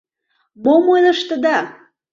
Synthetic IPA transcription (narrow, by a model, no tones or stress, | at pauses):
momojnəʃt̪ə̆d̪ɑ